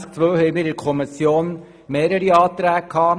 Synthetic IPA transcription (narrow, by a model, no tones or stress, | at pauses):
sk̚t͡sʋøːhɛɪmiːɾɪɾkʰɔmɪsjoːn | meːɾəɾiɑːt̪ɾæːkʰːɑː